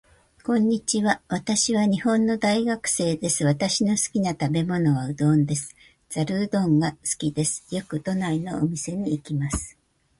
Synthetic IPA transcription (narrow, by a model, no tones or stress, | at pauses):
kõ̞ɲ̟ːit͡ɕiβaβat̪aɕiβaɲ̟ihõ̞nːo̞d̪aiɡakɯ̥se̞ːd̪e̞sɨβat̪aɕino̞sɨ̥kʲinat̪abe̞mo̞no̞βaɯ̟d̪õ̞nd̪e̞sɨ̥ | z̥aɾɯ̟ːd̪õ̞ŋɡasɨ̥kʲid̪e̞sɨ̥jo̞kɯ̟t̪onaino̞ːmʲise̞ɲ̟iːkʲimasɨ̥